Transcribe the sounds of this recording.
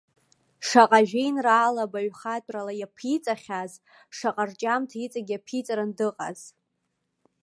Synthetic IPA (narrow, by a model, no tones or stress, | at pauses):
ʂaqʼaʒᶣejnraːlabaɥχatʼralajapʰit͡sʼaχʲaz | ʂaqʼart͡ʃʼamtʰait͡sʼaɡʲapʰit͡sʼɾandɨqʼa̰z̥